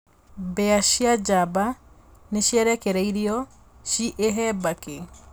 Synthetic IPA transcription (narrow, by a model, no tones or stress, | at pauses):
bɛaɕiad͡ʒaba | neɕiaɾɛkeɾɛiɾiɔ | ʃiʔeɦɛbake